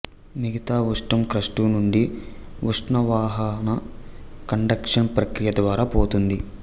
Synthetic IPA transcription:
miɡɐt̪aːʋuʂʈɐmkɾɐʂʈunuɳɖiʋuʂʈnɐʋaːɦɐnɐkɐɳɖɐkʂɐnpɾɐkɾijɐd̪ʋaːɾaːpoːt̪und̪i

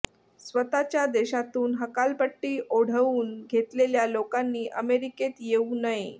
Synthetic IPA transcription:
sʋət̪at͡ɕjad̪eɕat̪uːnɦəkalpəʈːiːʔoɽ̤əuːnɡʱet̪leljalokanːiːʔəmeɾiket̪jeunaɦi

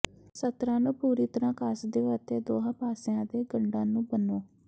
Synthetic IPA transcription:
sət̪ɾãːnũːpuːɾiːt̪əɾãːkaːsd̪eːət̪eːd̪oːɦãːpaːsɪjãːd̪eːɡəɳɖãːnũːbənoː

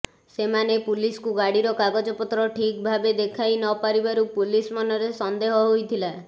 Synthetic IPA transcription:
semanepuliskuɡaɽiɾɔkaɡɔd͡ʒɔpɔt̪ɾɔʈʰik̚bʱabed̪ekʰajnɔpaɾibaɾupulismɔnɔɾesɔnd̪eɦɔɦojt̪ʰila

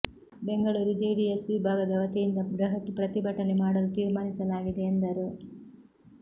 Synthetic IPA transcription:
be̞ŋɡɐɭuːɾud͡ʒeːɽijɐsiʋbʱaːɡɐd̪ɐʋɐt̪ijind̪ɐɡɾɐɦɐkːipɾɐt̪ibʱɐʈːɐnemaːɽɐlut̪iːɾmaːnisɐlaːɡid̪e̞ːnd̪ɐɾu

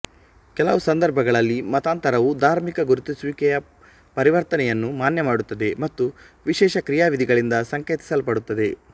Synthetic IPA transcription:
kɛlɐʋusɐnd̪ɐɾbʱɐɡɐɭɐlːimɐt̪aːnt̪ɐɾɐʋud̪ʱaːɾmikɐɡuɾut̪isʋikɛjɐ | pɐɾiʋɐɾt̪ɐnɛjɐnːumaːnjɐmaːɽut̪ːɐd̪e̞mɐt̪ːuʋiʃɛːʃɐkɾijaːʋid̪ʱiɡɐɭind̪ɐsɐŋkeːt̪i̥sɐlpɐɽut̪ːɐd̪e̞

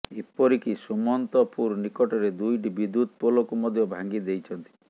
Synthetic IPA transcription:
epɔɾikisumɔnt̪ɔpuɾnikɔʈɔɾed̪ujʈ̬ibid̪ːut̪̚polɔkumɔd̪ʱjɔbʱaŋɡid̪ejt͡ʃʰɔnt̪i̥

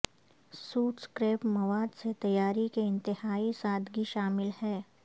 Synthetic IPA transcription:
suːʈskɾeːpmɐʋaːd̪set̪ɐjaːɾikeɪ̃nt̪ɪhaːisaːd̪ɡiʃaːmɪlhɛː

